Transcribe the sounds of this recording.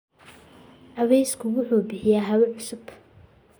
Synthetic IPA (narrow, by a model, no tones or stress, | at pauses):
ʔɐβɛjskʰʊwʊħuːbɪħɪjaːɦɐβɐʕʊsʊb